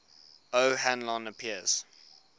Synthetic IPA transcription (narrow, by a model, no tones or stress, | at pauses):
əʊhæ̃nlɔ̃nəpʰiəz̥